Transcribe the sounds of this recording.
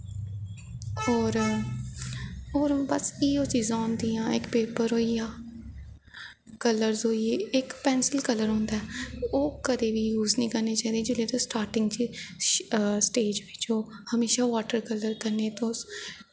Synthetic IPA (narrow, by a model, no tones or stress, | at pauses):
oːɾ | oːɾbəsiːoːt͡ʃiːzãːʊ̃nd̪iːãːɪkpeːpəɾɦoːiːãː | kələɾzoːieːɪkpɛːnsəlkələɾɦõːnd̪aɛːoːkəd̪eːʋiːjuːznĩːkəɾneːt͡ʃaːid̪eːd͡ʒɪleːt̪õːsʈaːɾʈɪ̃ŋɡt͡ʃː | sʈeːd͡ʒʋɪt͡ʃoːhəmeːʃaːʋaːʈəɾkələɾkəɾneːt̪õːs